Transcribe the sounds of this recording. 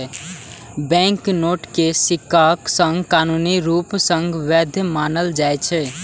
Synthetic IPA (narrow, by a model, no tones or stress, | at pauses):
bɛ̃ŋknoːʈkesɪkaksə̃ŋɡkaːnuniɾupsə̃ŋɡʋɛd̪ʱmaːnəld͡ʒat͡ʃʰɛ